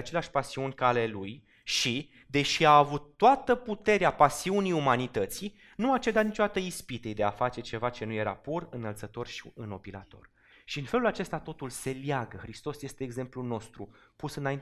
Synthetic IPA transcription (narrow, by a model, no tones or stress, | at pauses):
at͡ʃe̞leaʃpasiunʲkale̞luj | ʃi | d̪e̞ʃiaːvut̪ːoat̪əput̪e̞ɾeapasiuniumanit̪ət̪si | nuat͡ʃe̞d̪at̪nit͡ʃod̪at̪əispit̪ejd̪e̞afat͡ʃe̞t͡ʃe̞vat͡ʃe̞nuje̞ɾa̰purɨnːəlt̪sət̪o̞rʃiɨno̞pila̰t̪o̞̰r | ʃiɨnfe̞lulat͡ʃe̞st̪at̪o̞t̪ulse̞ljaɡəxɾist̪o̞sje̞st̪e̞ːɡze̞mpluno̞st̪ɾupusɨnain